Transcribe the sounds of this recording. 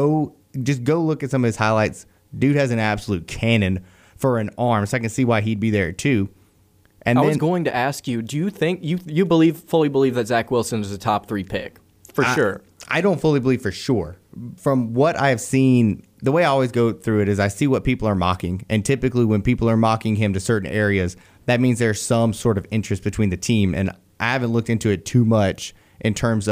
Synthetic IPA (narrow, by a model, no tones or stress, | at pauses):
oʊ | d͡ʒʌsɡ̥oʊlʊkɨtsʌ̃mʌv̥ɨz̥haɪlaɪts | d̥ʉɾ̚hɨzɨ̃næb̥səlʉt̚kʰænɨ̃n | fə˞ɨ̃nɑɹmsoaɪkɨ̃nsiwaɪid̚biðə˞tʰʉ | ʔɨ̃nɪðwʌ̃znɡoʊɪ̃ŋtɨʔæskjɨdɨjɨθɪ̃ŋkjɨjɨbəliv̥fʊlˠibəlivðɨtz̥ækwɪlˠsɨ̃nɨzɨtʰɑp̚θɹipʰɪk | fə˞ʃʊɹ | ʔa̰ɪɾõʊ̃ntfʊlˠibəliv̥fə˞ʃʊɹfɹʌ̃mwʌɾʔa̰ɪɨv̥sĩn | ðəweɪaɪɔlˠwizɡoʊθɹʉɨɾɨzaɪsiwʌt̚pipl̩ˠə˞mɑ̰kɪ̃ŋʔɨ̃ntʰɪpɨkliwə̃npipl̩ˠə˞mɑkɪ̃ŋɪ̃mtɨsɜ˞ʔn̩ɛɹiɨz | ðɨt̚mĩnzðə˞z̥sʌ̃msɔɹɾʌvɪ̃nt͡ʃɹ̥ɨst̚b̥ɨtʰw̥ĩnðɨtʰĩmɨ̰̃n | ʔaɪhæṽntˡlʊk̚tɪ̃ntʉɨtʰʉmʌt͡ʃ | ʔɨ̃ntʰɜ̃˞mzʌ